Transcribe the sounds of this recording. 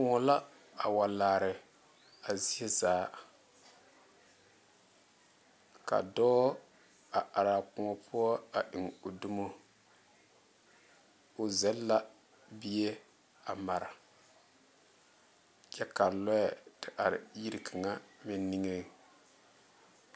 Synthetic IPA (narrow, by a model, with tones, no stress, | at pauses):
kʊ˨ŋɔ˨la˦ | a˨wa˨laː˨ɾɪ˨ | a˨zi˦e˦zaː˨˦ | ka̰˨dɔː˦ | a˨ʔa˨ɾa˨kʊ˨ŋɔ˨pʊ˦ɔ˦a˨ɗi˨ŋo˨du˦mo˦ | ʊ˨zɛ˦lːa˦ | bi˦e˦ | a˨ma˨ɾa˨ | t͡ʃɛ˦ka˨lɔ˦ɛ˨tɪ˨ʔa˨ɾɪ̰˨ji˦ɾi˨kʰa˨ŋa˦mɪ˨nːi˦ŋe˦˨